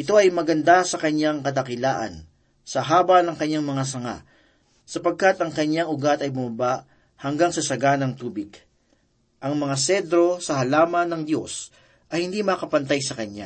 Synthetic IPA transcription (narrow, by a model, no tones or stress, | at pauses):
ʔɪt̪o̞ʔɐjmɐɡɐnd̪asɐkɐɲːaŋkɐt̪̬ɐkɪlaːʔɐ̰n | sɐɦaːbɐnɐŋkɐɲːaŋmɐŋas̬ɐŋa̰ʔ | sɐpɐɡ̚kat̪ɐŋkɐɲaŋʊɡat̪ɐjbʊmɐbaʔ | hɐŋɡaŋsɐsɐɡanɐŋt̪uːbɪɡ̥ | ʔɐŋmɐŋasɛd̪ɾo̞sɐhɐlaːmɐnɐŋd̪jo̞̰s | ʔɐjhɪnd̪imɐkɐpɐnt̪ajsɐkɐɲa̰